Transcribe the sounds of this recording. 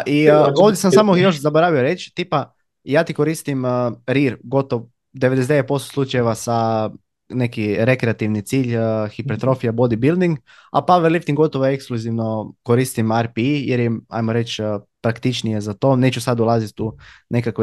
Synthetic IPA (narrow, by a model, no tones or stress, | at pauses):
ʔio̞ʋd̪jesamsaːmojo̞ʃzaboɾaʋioɾe̞t͡ʃt̪iːpa | jaːt̪iko̞ɾist̪imɾiɾɡo̞t̪oʋo | d̪eʋe̞d̪ed̪eet̪̚po̞st̪oslˠut͡ʃajeʋasa | ne̞kiɾe̞kɾeat̪iʋnit̪siːʎxipet̪ɾo̞fijabo̞d̪ibilˠd̪iŋɡ | a̰paʋeɾlift̪iŋɡo̞t̪oʋoeekskluziʋno̞ko̞ɾist̪imaɾpiijeɾjea̰jmoɾe̞t͡ʃːpɾakt̪it͡ʃnije̞zat̪o̞ne̞ːt͡ʃusad̪ulˠazit̪une̞kakʋe